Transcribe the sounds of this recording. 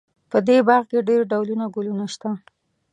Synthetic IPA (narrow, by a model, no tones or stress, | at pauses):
pəd̪ebɑɾɣkeɖeɾɖawlunaɡulunaʃt̪a